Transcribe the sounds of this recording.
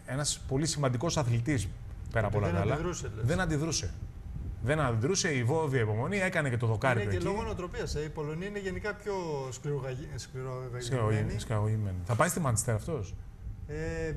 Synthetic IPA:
e̞nɐspo̞lisimɐnd̪iko̞sɐθlit̪is | peɾɐpolɐkɐlɐðɾuseleðenɐnd̪iðɾuse̞ | ðe̞nɐnd̪iðɾuse̞ivo̞viɐipo̞mo̞nie̞kɐnece̞t̪oðo̞kɐɾit̪ːeloɣonot̪ɾo̞piɐseipo̞lo̞niɐineʝe̞nikɐpço̞skliɾoɣɐskliɾoɣɐoiskɐoʝimenθɐpɐjst̪imɐni̥st̪eɾɐft̪o̞s | e

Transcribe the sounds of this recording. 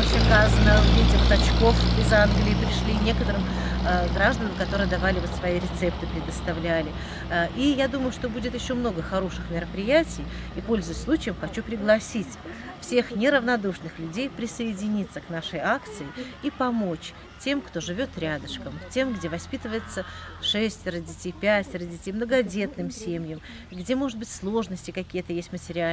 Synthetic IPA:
oɕɪkazənəvvʲidʲɪvot̪ɐt͡ɕko̞fɪzanɡlʲɪːpɾʲɪʂlʲinʲe̞kət̪əɾɨmɡɾaʐd̪ənəmkɐt̪o̞ɾɨjəd̪ɐvalʲɪvo̞t̪svɐiɾʲɪt̪sɛp̚t̪ɨpɾʲɪd̪əst̪ɐvlʲælʲɪ | ʔijad̪uməjʊʂt̪o̞budʲɪt̪jɪɕːo̞mno̞ɡəxɐɾo̞ʂɨxmʲɪɾəpɾʲɪjætʲɪjipo̞lʲzəvəsʲslˠut͡ɕɪjəmxɐt͡ɕupɾʲɪɡlˠɐsʲitʲfsʲe̞xnʲɪɾəvnɐd̪uʂnɨxlʲʉdʲejpɾʲɪsəɪdʲɪnʲit̪səknaʂəjakt̪sɨɪipɐmot͡ɕ | tʲe̞mkt̪o̞ʐɨvʲo̞t̪ɾʲad̪əʂkəmtʲe̞mɡdʲe̞vɐspʲit̪əvəjɪt̪səʂɛsʲtʲɾədʲɪtʲejpʲætʲɾədʲɪtʲejmnəɡɐdʲe̞t̪nɨmsʲemʲjəm | ɡdʲe̞mo̞ʐɨt̪̚bɨtʲslˠo̞ʐnəsʲtʲɪkɐkʲijət̪əjesʲtʲmətʲɪɾʲɪa

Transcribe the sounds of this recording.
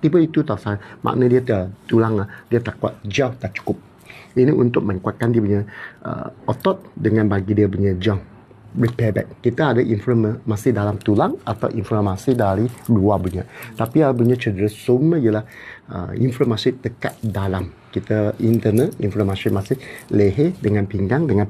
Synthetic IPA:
t̪ipəit̪ut̪asamʔa̰ʔnədiət̪t̪ulaŋadiət̪akwa̰t̪̚d͡ʒawt̪at͡ʃu̥kʊp̚ | iniʔunt̪ʊk̚mə̃ŋkuat̪̚kandiəpuɲə̃ʔə̰ɔt̪ɔt̪̚dəŋãnbaɡidiəbuɲəd͡ʒa | ɹipɛbɛ̰k̚ːit̪əadəʔinfɾəməmasihdalamt̪ulaŋat̪a̰wʔinfɔmasidaɾibəluabuɲa̰t̪apiaibuɲə̃t͡ʃədəɾəsumijəlahə̰ḭnfɾomasit̪əkat̪̚dalam | kit̪aint̪ənət̪̚inflomasimãsɪləɦedəŋãnpiŋɡaŋdəŋãn

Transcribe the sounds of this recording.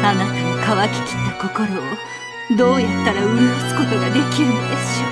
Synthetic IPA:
anasɨnokaβakʲi̥kʲi̥t̪ːako̞ko̞ɾo̞ː | d̪o̞ːjat̪ːaɾaɯ̟ɾizɨsɨ̥ko̞t̪o̞ɡad̪e̞kʲiɾɯ̟nod̪e̞sɨ̥ɕo

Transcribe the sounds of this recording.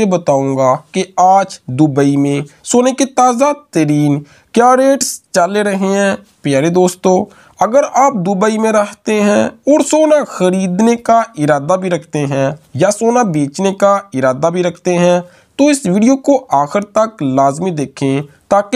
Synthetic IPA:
ebət̪aːũːŋɡakeaːd͡ʒd̪ʊbəimẽsoːneket̪aːzat̪əɾiːn | kjaːɾeːʈst͡ʃaleɾəɦeɦɛ̃ː | pjaːɾed̪oːst̪õː | ɐɡəɾaːp̚d̪ʊbəimẽɾəɦt̪eɦɛ̃ɔːɾsoːnaxəɾiːd̪nekaɪɾaːd̪abʱiɾɐkʰt̪eɦɛ̃jasoːnabeːt͡ʃnekaɪɾaːd̪abʱiɾɐkʰt̪eɦɛ̃ | t̪oɪsʋiːɖijokoʔaːxɪɾt̪əklaːzmid̪eːkʰẽt̪aːk

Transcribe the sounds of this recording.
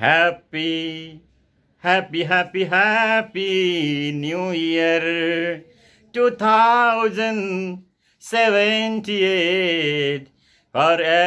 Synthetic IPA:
hæpi | hæpiɦæpiɦæpinjujiəɾ | ʈut̪ʰaʊzə̃n | sɛʋənʈie | ʈ | fɔɾɛ

